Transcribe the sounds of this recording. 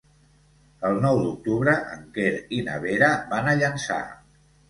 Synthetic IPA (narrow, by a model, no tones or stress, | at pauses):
əlˠnɔwd̪uk̚t̪uβɾəʔə̰ŋkeɾinə̰β̞eɾəbanəʎənsa̰